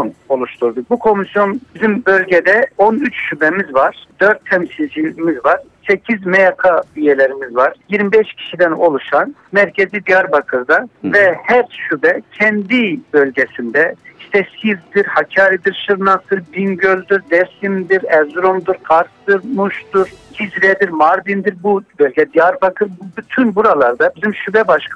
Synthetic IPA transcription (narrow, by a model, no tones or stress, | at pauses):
no̞lˠuʃt̪ʰuɾd̪uk̚bukʰo̞misjo̞nbizimbø̞lʲɟɛd̪ɛonyt͡ʃʃybɛmizvaɾ̥d̪̥øɾt̪ʰːɛmsilʲd͡ʒimizvaɾ̥sɛcʰizmɛjakʰabyjɛlʲeɾimizvaɾ̥jiɾmibɛʃcʰi̥ʃid̪ɛno̞lˠuʃanmæɾcʰezid̪ijaɾbakʰɯɾd̪avɛhɛɾʃybɛcʰɛnd̪ibø̞lʲɟɛsind̪ɛiʃt̪ʰɛsizd̪iɾhacʰaːɾid̪iɾʃɯɾnasɯɾb̪inɟølʲd̪yɾd̪ɛɾsimd̪iɾɛzɾomd̪ɯɾkʰaɾt̪ɯɾmuʃt̪uɾhizɾɛd̪iɾmaɾd̪ind̪iɾbubølʲɟɛd̪ijaɾbakʰɯɾbyt̪ʰynbuɾalˠaɾd̪abizimʃybɛbaʃkʰ